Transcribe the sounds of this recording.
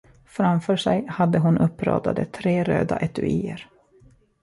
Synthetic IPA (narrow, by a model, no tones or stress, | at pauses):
fɾamfœːʂɛjhad̪ːəɦʊnʔɵpːɾɔ̰ːd̪ad̪ət̪ʰɾeːɾøːd̪aʔɛt̪ɵiːəɾ